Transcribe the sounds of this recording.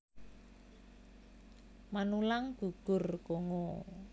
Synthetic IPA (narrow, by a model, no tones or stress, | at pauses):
manulaŋɡ̥uɡ̥ʊ̤rkoŋɔ